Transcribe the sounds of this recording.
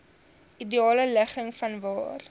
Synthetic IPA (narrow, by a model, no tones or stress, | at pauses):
ʔidiɑːlələχəŋfɐnvɑ̰ːr